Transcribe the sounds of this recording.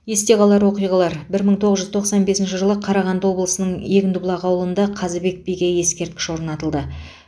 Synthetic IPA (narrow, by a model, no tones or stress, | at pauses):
je̞st̪e̞ʁɑlˠɑɾwo̞qijʁɑlˠɑɾbɪɾməɴt̪ʰoʁəzʒʏzt̪ʰo̞qsɑnbe̞sɪnʃɪʒəlˠəqʰɑɾɑʁɑnd̪əwo̞blˠəsənəɴjekʲɪnd̪ʊblˠɑqɑwəlˠənd̪ɑqʰɑzəbe̞k̚bijɡʲeje̞skʲe̞ɾt̪̚kʲɪ̥ʃwo̞ɾnɑt̪əlˠd̪ə